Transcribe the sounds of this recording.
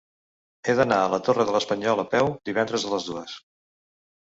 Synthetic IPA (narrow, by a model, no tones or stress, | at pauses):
eðənaələt̪orəðələspəɲɔləpɛwd̪iβɛnd̪ɾəzðələzðuəs